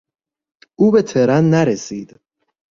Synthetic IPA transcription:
ʔuːbet̪ʰeɾænːæɾesiːd̪̥

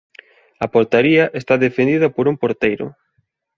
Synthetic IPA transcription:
ɐpoɾt̪aɾiɐʔest̪aðefend̪iðɐpoɾumpoɾt̪ejɾʊ̰

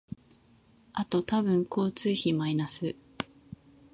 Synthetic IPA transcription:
at̪o̞t̪abɯ̟̃ŋkʰo̞ːt͡sɨːçimainasɨ

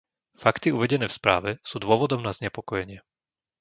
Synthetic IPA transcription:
fakt̪iuʋɛɟɛnɛːfspɾa̰ːʋɛsuːd̪ʊɔʋɔd̪ɔmnazɲɛpɔkɔjɛɲɪɛ

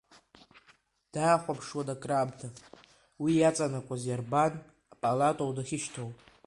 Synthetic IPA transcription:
d̥aːχʷapʰʂwadakʼrabtʰa | wijat͡sʼanakʷʼazjarban | apʼalatʼowdaχʲɪʃtʰowpʼ

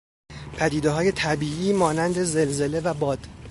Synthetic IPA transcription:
pʰæd̪iːd̪eɦɒːje̞t̪ʰæbiːʔiːmɒːnænd̪e̞ze̞lze̞le̞væbɒːd̪̥

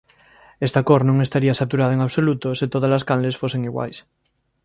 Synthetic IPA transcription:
est̪akoɾnõŋest̪aɾiasat̪uɾaðaeŋaβsolut̪oset̪oð̞azlaskanlesfoseŋiɣwa̰js

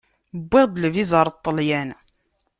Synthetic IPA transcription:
bːɪʁd̪əlvizəɾˤt̪ˤːəljæn

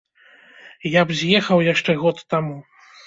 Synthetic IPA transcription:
jabzʲjɛxɐwjaʂt͡ʂɛɣɔt̪ːamu

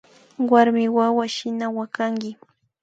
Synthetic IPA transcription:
waɾmɪwawaʃɪnawakaŋɡɪ

